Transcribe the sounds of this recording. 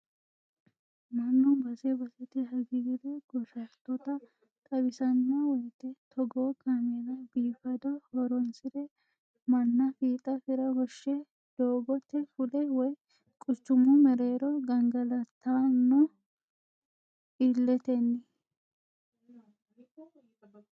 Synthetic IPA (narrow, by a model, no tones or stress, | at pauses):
mɐnːʊbɐsɛbɐsɛt̪ɪɦɐɡɪɡɪd̪ɛɡ̥ɔʃɐt̪ːɔt̪ɐ | k̪ʼɐbɪsɐnːɐwɔjt̪ːɛt̪ʰɔɡoːkamed̪ɐbiːfɐd̪ɔhɔɾɔnsɪɾɛ | mɐnːɐfiːt̪ʼɐfɪɾɐɡɔʃːɛ | d̪̥oːɡɔt̪ːɛfʊlɛwɔj | kʼʊt͡ʃːʊmʊmɛɾeːɾɔɡɐŋɡɐlɐt̪ːanːɔ | ʔilːɛt̪ɛnːɪ